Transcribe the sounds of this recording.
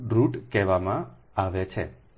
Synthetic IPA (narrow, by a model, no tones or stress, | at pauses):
ɾuʈkɛʋamã | aʋet͡ʃʰḛ